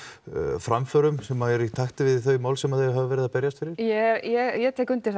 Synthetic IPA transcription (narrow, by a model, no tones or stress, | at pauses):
fɾamfœɾʏmsɛmːaɛɾit̪ʰaht̪ɪvɪðθœɥmaːwlsɛmaðθejɦavɪvɛɾɪðapɛɾjast̪fɪɾɪɾ̥jɛjɛjɛt̪ʰeːkʏnt̪ɪ̥